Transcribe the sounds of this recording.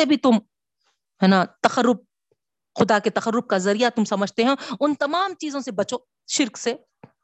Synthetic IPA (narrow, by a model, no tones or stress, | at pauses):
ebʱit̪ʊm | ɦɛːnat̪ɐxəɾːʊb̚ | xʊd̪aket̪ɐxəɾːʊb̚kazɐɾijat̪ʊmsɐməd͡ʒʱt̪eɦɛ̃ʊnt̪ɐmaːmt͡ʃiːzõsebɐt͡ʃoː | ʃɪɾkse